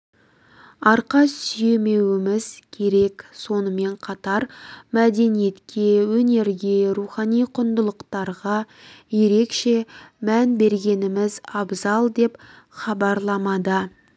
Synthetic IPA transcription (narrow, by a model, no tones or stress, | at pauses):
ɑɾqɑssʏje̞me̞wɪmɪzkʲʰe̞ɾe̞kso̞nəme̞ɴqʰɑt̪ɑɾmæd̪e̞nije̞t̪kʲʰe̞wɵne̞ɾɡʲe̞ɾuχɑnijqʰʊnd̪əlˠəqt̪ɑɾʁɑ | je̞ɾe̞kʃe̞mænbe̞ɾɡʲe̞nɪmɪzɑbzɑlˠd̪e̞p | χɑbɑɾlˠɑmɑd̪ə